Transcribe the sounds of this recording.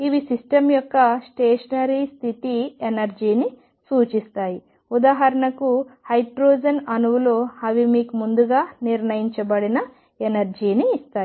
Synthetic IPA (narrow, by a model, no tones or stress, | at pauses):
iʋisisʈɐmjɔkːɐsʈeːʂɐnɐɾist̪ʰit̪ienɐɾd͡ʒiːni | suːt͡ʃist̪aːji | ud̪aːɦɐɾɐnɐkuhɐjʈɾoːd͡ʒɐnɐnuʋulo̞ːɐʋimiːkumund̪uɡaːniɾnɐjiɲt͡ʃɐbɐɽinɐ | enɐɾd͡ʒiːniːst̪aːi